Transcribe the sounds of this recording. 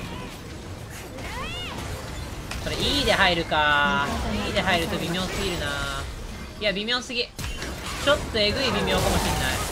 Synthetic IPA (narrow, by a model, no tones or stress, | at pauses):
so̞ɾeiːd̪e̞ɦaiɾɯ̟ka | iːd̪e̞ɦaiɾɯ̟t̪o̞bʲimʲõ̞ːsɨɡʲiɾɯ̟na | iabʲimʲõ̞ːsɨɡʲi | t͡ɕo̞t̪ːoeɡɯ̟ibʲimʲjo̞ːkamo̞ɕĩnːai